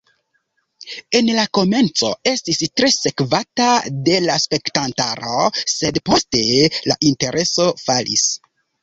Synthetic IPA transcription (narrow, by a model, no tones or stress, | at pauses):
e̞nlako̞me̞nt͡so̞̰e̞stistɾe̞se̞kvatade̞laspe̞ktantaɾo̞se̞dpo̞ste̞la̰ʔinte̞ɾʔe̞so̞falʔḭs